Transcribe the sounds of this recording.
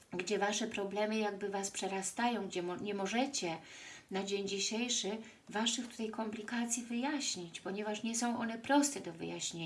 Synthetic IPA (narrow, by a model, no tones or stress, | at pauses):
ɡd͡ʑɛvaʂɛpɾɔblɛmɘjaɡbɘvaspʂɛɾast̪ajɔ̃w̃ɡd͡ʑɛmɲɛmɔʐɛt͡ɕɛnad͡ʑeɲd͡ʑiɕejʂɘ | vaʂɘft̪u̥t̪ajkɔmplʲikat̪sʲjivɘjaɕɲit͡ɕpɔɲɛvaʂɲɛsɔ̃w̃ʔɔnɛpɾɔst̪ɛd̪ɔvɘ̰jaɕɲe